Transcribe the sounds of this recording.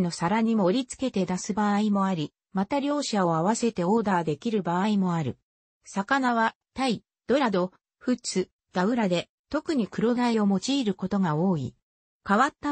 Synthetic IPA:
no̞saɾaɲ̟imo̞ɾʲit͡sɨ̥ke̞t̪e̞d̪asɨbaimo̞aɾʲi | mat̪aɾʲo̞ːɕao̞aβase̞t̪e̞o̞ːd̪aːd̪e̞kʲiɾɯ̟baːimo̞aɾɯ̟ | sakanaβa | t̪ai | d̪̥o̞ɾad̪o̞ | ɸɯ̟t͡sɨ | d̪̥aɯ̟ɾad̪e̞ | t̪o̞kɯ̟ɲ̟ikɯ̟ɾo̞naio̞mo̞t͡ɕiːɾɯ̟ko̞t̪o̞ɡao̞ːḭ | kaβat̪ːa

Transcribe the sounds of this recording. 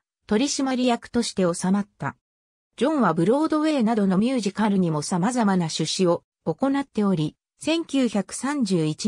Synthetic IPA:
t̪o̞ɾʲiɕimaɾʲijakɯ̟̥t̪o̞ɕi̥t̪e̞o̞samat̪ːa̰ | d͡ʑõ̞ɰ̃βabɯ̟ɾo̞ːd̪o̞βe̞ːnad̪o̞no̞mʲjɨːʑikaɾɯ̟ɲ̟imo̞samazamanaɕɨɕio̞ː | ko̞nat̪ːe̞o̞ɾʲi | sẽ̞ŋkʲɨːçakɯ̟̥sãɲ̟d͡ʑɨːit͡ɕi

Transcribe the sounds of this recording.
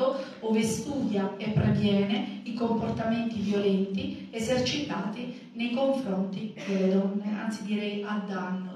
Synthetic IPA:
o | oːvest̪uːd̪jaepːɾevjɛːneikomport̪ament̪ivjolɛnt̪i | ezert͡ʃit̪aːt̪i | nejkoɱfɾɔnt̪id̪elːed̪ɔnːea̰nt̪sid̪iɾɛjʔad̪ːanːʊ

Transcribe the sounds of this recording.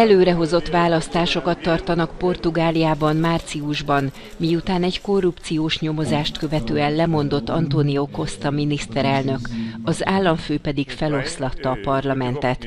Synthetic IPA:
ɛløːɾɛɦo̞zo̞t̪ːʋaːlɒst̪aːʃo̞kɒt̪ːɒrt̪ɒnɒkpo̞rt̪uɡaːlijaːbɒnmaːrt̪siuʒbɒn | mijut̪aːnɛɟko̞rːupt̪sijoːʃɲo̞mo̞zaːʃt̪kø̞vɛt̪øːɛnlɛmo̞n̪d̪o̞t̪ːɒnt̪onijoko̞st̪ɒminist̪ɛɾɛlnø̞kɒzaːlːɒɱføːpɛd̪iɡfɛlo̞slɒt̪ːɒːpɒrlɒmɛnt̪ɛt̪

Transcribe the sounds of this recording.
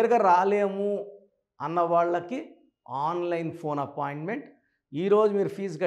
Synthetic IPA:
ɾuɡɐɾaːleːmu | ɐnːɐʋaːɭːɐki | aːnlɐjnpʰo̞ːnɐpaːjiɳʈme̞ɳʈ | iːɾoːd͡ʒumiːɾupʰiːskɐ

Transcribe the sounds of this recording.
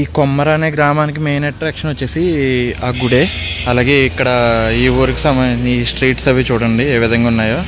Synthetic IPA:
iːkomːɐɾaːne̞ːɡɾaːmaːnik̬imejnɐʈːɾaːkʂɐnot͡ʃːe̞ːsiaːɡuɽe̞ː | ɐlaːɡeːikːɐɽɐiːʋuːɾukisɐmɐisʈɾiːʈsɐʋit͡ʃuːɽɐɳɖieːʋid̪ʱɐŋɡaːunːaːjoː

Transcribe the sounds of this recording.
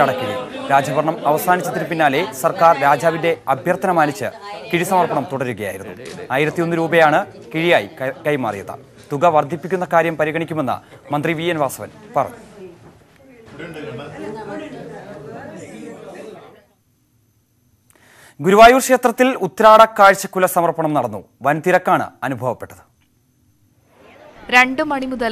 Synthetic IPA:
ɐɽɐkːiɻḭɾaːd͡ʑɐbɐrɳɐmɐʋɐsaːnit͡ɕːɐt̪ːinɨpinːaːle̞sɐrkaːrɾaːd͡ʑaːʋinde̞ɐbʱjɐrt̪ʰɐnɐmaːnit͡ɕːɨ̰kiɻisɐmɐrpɐɳɐmt̪uɽɐɾuɣɐja̰ːj̰ɾunːṵaːjiɾɐt̪ːijo̞nːɨɾuːbɐjaːɳɨkiɻijaːjikɐjma̰ːrijɐðɐ̰t̪uɣɐʋɐrd̪ʱipːikʲːunːɐkaːɾjɐmpɐɾiɣɐɳikʲːume̞nːɐ̰mɐnd̪riʋiːenʋaːsɐʋɐnpɐrɐ̰ɲːu | ɡuɾuʋaːjuːrʂe̞ːt̪rɐt̪ːilut̪ːɐɾaːɽɐkːaːɻt͡ɕːɐkːulɐsɐmɐrpɐɳɐmnɐɽɐnːu | ʋɐnt̪iɾɐkːaːɳɨ̰ɐnubʱɐʋɐpːe̞ʈːɐðɨ̥ | ɾe̞ɳɖɨmɐɳimuðɐl

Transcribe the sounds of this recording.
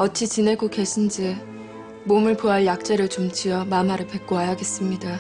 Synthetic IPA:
ʌt͡ɕʰit͡ɕine̞ɡoke̞ɕʰind͡ʑi | momɯɭpoaɭjak̚t͡ɕ͈eɾɯɭt͡ɕomt͡ɕiʌmamaɾɯɭpe̞k̚k͈oɦajaɡe̞s͈ɯmɲida

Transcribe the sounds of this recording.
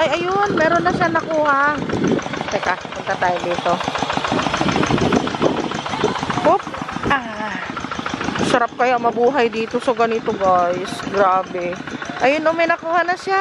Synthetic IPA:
ʔɐjɐjonmɛːɾonːɐʃanɐkuːha | t̪ɛkapʊnt̪ɐt̪aːjod̪iːt̪o̞ | pop̚a | sɐɾap̚kɐjomɐbuːɦɐjd̪iːt̪osɐɡɐnit̪oɡajsɡɾaːbɛʔɐjonomɐjnɐkuːhɐnɐʃja

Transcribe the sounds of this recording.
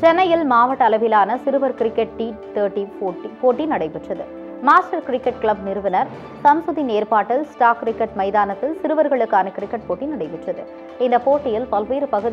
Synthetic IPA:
t͡ʃɛnːɐjɪlmaːʋɐʈːɐɐlɐʋɪlaːnɐsɪɾɯʋɐɾkɪɾɪkːɐʈ̚ʈit̪ɐːʈːipoːʈːipoːʈːinɐɽɐɪpɪʈrɐðɯ | maːsʈɐɾkɪɾɪkːɐʈ̚klɐbnɪɾɯʋɐnɐɾ | sɐmsʊðineːɾpaːʈːɪlsʈaːkːɪɾɪkːɐʈmɐɪðaːnɐt̪ːɪlsɪɾɯʋɐɾɣɐɭɯkːaːnɐkɪɾɪkːɐʈ̚poːʈːinɐɽɐɪpɪʈrɐðɯ | ɪnd̪ɐpoːʈːɪjɪlpɐlʋiːɾɯpɐɣɯð

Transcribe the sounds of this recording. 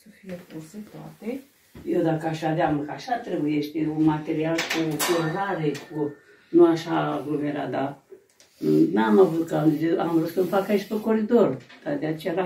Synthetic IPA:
səfijekuɾset̪at̪e | jewd̪akəaʃad̪eaməkaʃat̪ɾebujeʃt̪eunmat̪eɾialkukuɾlaɾekʰu | nuaʃaɡlomeɾa̰d̪a | namavut̪kəaa̰mɾut̪səmfakaiʃt̪okoɾid̪ort̪ad̪eat͡ʃeɾa

